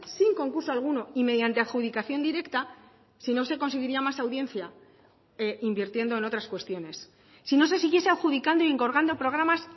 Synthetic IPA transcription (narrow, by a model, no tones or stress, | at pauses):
siŋko̞ŋkuɾsoalɣ̞uno̞ime̞ðjant̪e̞aβxuðikaθjo̞nd̪iɾe̞kt̪a | sino̞se̞ko̞nseɣiɾiamasawðjẽ̞nθja | eimbiɾt̪je̞nd̪oeno̞t̪ɾaskwe̞st̪jo̞ne̞sː | ino̞se̞siɣ̞je̞se̞aβxuð̞ikand̪o̞ie̞ŋko̞ɾɣand̪o̞pɾo̞ɣ̞ɾamas